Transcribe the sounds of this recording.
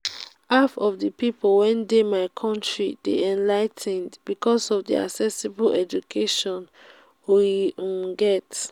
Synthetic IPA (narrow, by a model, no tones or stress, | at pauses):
hafɔvdəpipolwɛ̃ndemaɪkʰɔ̃ntɹideɛ̃nlaɪtʰɛ̃ndbikɔsɔvdḭa̰ksɛsibolɛd͡ʒukʰeʃɔ̃n | wĩɡɛt